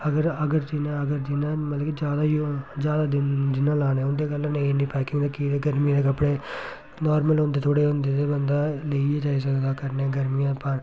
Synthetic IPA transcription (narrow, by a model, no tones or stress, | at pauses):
əɡəɾəɡəɾd͡ʒinãːəɡəɾd͡ʒinãːmət̪ləːkid͡ʒjaːd̪aːjd͡ʒjaːd̪aːd̪ɪd͡ʒ̪ɪnãːlaːnẽːʊnd̪eːkəlãnẽnĩːpɛːkɪ̃ŋɡd̪aːkiːd̪eːɡəɾmĩːd̪eːkəpɽeː | nɔːɾməlɦʊ̃nd̪eːt̪ʰoːɽeːɦʊnd̪eːd̪eːbənd̪aːleieːd͡ʒaːiːs̬əkd̪aːkəɾnɛːɡəɾmijãːpəɾ